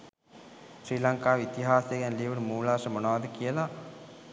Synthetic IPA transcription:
ʃɾiːlɐŋkaːʋit̪iɦaːseɡɛnliʋɐɽumuːlaːʂɐmonaːd̪əkijela

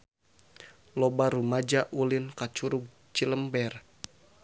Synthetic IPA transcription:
lɔbaɾumad͡ʒaʔulinkat͡ʃuɾuɡ̚ | t͡ʃiləmbɛr

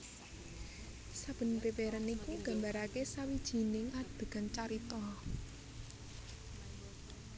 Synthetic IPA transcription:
sab̥ə̤npɾiweɾanikuɡ̥a̤mbaɾakesawid̥ʒ̥i̤nɪŋad̥ə̤ɡ̥ant͡ʃaɾit̪ɔ

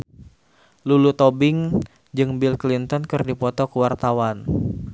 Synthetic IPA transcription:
lulut̪ɔbɪŋ | d͡ʒɨŋbilklint̪ɔnkɨrdipɔt̪ɔkuwart̪awan

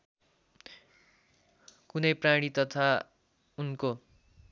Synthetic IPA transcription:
kunʌjpraɽ̃it̪ʌt̪ʰa | unko

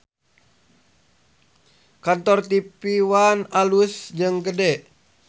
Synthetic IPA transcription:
kant̪ɔrt̪ipiwanalusd͡ʒəŋɡədɛ

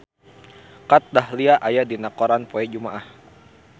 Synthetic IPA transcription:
kat̪̚dahliaʔajadinakɔɾanpɔɛd͡ʒumaʔah

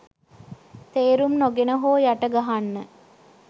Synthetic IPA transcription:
t̪eːɾumnoɡenəɦoːjaʈəɡaɦanːə

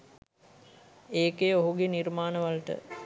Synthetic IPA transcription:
eːkeoɦuɡeniɾmaːnəʋalʈə̰

